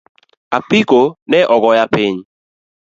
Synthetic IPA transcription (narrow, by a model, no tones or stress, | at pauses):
apikonɛʔɔɡɔjapɪɲ